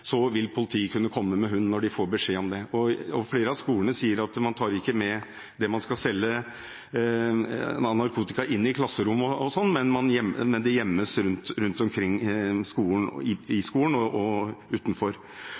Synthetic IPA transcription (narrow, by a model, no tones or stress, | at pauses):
sɔʋɪlpʰʊlɪt̪ʰiːkʰʉnːəkʰɔmːəmɛɦʉnːnɔɖɪfoːɾbəʂeːɔmd̪ɛɔɔfleːɾəɑʋskuːəɳəsiːəɾɑt̪mɑnt̪ʰɑːɾɪkːəmɛ | d̪ɛmɑnskɑlsɛlːə | nɑɾkʰuːt̪ɪkɑʔɪnːɪkʰlɑsːəɾʊmːɔɔsɔnːmɛnmɑnjɛmmɛnd̪ɛjɛmːəsɾʉnt̪ɾʉnt̪ɔmkʰɾɪŋːskuːln̩ɪɪskuːənɔɔʉːt̪nfɔɾ